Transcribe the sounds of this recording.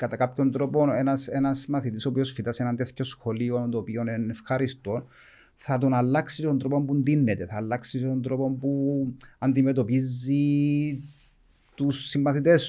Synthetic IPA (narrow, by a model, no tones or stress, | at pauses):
kɐt̪ɐkapço̞nt̪ɾo̞po̞nenɐsenɐsimːɐθit̪isopio̞sfit̪ɐsenɐnt̪eθço̞sxoliond̪oːpio̞nenefxɐɾist̪o̞n | θɐt̪onɐlːɐksist̪ond̪ɾopo̞mpund̪inːet̪eθɐːlːɐksist̪ond̪ɾo̞po̞mpuɐnd̪imet̪o̞pizːi | t̪usːimːɐθit̪es